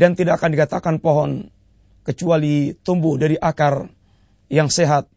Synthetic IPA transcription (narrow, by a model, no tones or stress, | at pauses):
dant̪idaakandikat̪akanpoɦɔn | kət͡ʃualit̪umbʊhdaɾiʔakar | jaŋseɦat̪̚